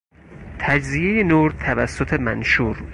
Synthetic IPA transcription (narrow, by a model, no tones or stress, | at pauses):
t̪ʰæd͡ʒzijejenuːɾt̪ʰævæsːot̪ʰe̞mæ̰nʃuːɾ